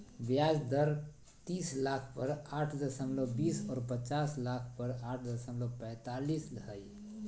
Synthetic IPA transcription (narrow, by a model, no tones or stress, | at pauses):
bjad͡ʒd̪əɾ | t̪islakʰpəɾaʈʰd̪əsəmlobisɔːɾpət͡ʃaslakʰpəɾaʈʰd̪əsəmlopə̃ɪt̪alislɦəj